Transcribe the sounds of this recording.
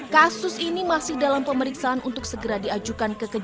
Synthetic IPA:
kasʊsinimasɪhdalampəməɾiksaanʔunt̪ʊk̚səɡəɾadiad͡ʒukankəkə

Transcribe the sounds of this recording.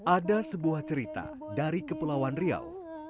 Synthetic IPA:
ʔadasəbuaht͡ʃəɾit̪a̰ | daɾikəpulawanria̰l

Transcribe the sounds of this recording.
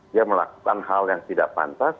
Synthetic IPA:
diaməla̰ku̥kanɦaljaŋt̪idaʔpa̰nt̪as

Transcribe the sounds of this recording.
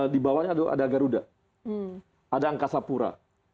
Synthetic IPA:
dibawaɲada̰daɡaɾuda | adaːŋkasapuɾa̰

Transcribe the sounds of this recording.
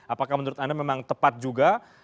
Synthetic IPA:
apakahmənuɾʊt̪andamemaŋt̪əpat̪̚d͡ʒuɡa

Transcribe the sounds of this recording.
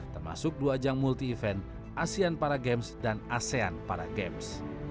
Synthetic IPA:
t̪ərma̰sʊk̚duad͡ʒaŋmult̪iːfɛn | ʔasianpaɾaɡɛmsdanaseanpaɾa̰ɡɛms

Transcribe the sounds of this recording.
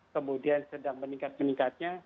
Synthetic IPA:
kəmudiansədaŋməniŋkat̪̚məniŋkat̪̚ɲa

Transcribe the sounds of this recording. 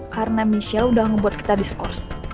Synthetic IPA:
kaɾənamisialudahŋəbuat̪̚ki̥t̪adiskɔrs

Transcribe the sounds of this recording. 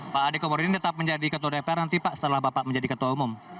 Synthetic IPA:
paʔːdikomoɾinit̪ət̪ap̚məɲd͡ʒadikət̪̬uɔdapɛrnant̪ipaʔsə̥t̪əlahbapaʔməɲd͡ʒadikət̪uaumʊm

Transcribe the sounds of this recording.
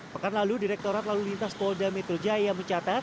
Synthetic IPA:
pəkanlaludiɾɛk̚t̪oɾat̪lalulint̪aspɔldamɛt̪ɾod͡ʒajaməɲt͡ʃat̪at̪̚

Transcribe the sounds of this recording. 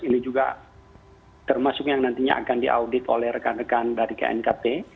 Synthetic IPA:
inid͡ʒuɡa̰ | t̪ərmasʊkjaŋnant̪iɲa̰ʔa̰kandiʔa̰wdɪt̪olɛhɾəkanrəkandaɾika̰ɛ̰nkape

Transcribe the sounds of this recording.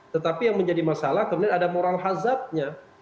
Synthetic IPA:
t̪ət̪apijaŋməɲd͡ʒadimasalahkəmudianadamoɾalɦazat̪̚ɲa

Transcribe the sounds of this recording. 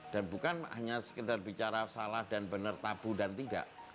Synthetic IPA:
d̥anbukanha̰ɲasə̥kədarbit͡ʃaɾasalahdanbənərt̪ab̥udant̪ida̰ʔ

